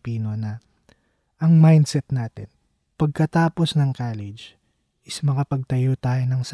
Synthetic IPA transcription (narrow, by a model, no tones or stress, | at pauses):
piːno̞nɐ | ʔɐŋmajnd̪sɛt̪naːt̪ɪn | pɐɡ̚kɐt̪aːposnɐŋkaːlɪd͡ʒ | ɪsmɐŋɐpɐɡ̚t̪ɐjot̪aːjonɐŋs